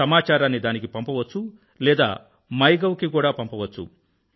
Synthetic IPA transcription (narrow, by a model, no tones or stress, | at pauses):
ɐmaːt͡ʃaːɾaːnːid̪aːnikipɐmpɐʋɐt͡ʃːu | lɛːd̪a̰ː | mɐjɡɐwkikuːɽaːpɐmpɐʋɐt͡ʃːṵ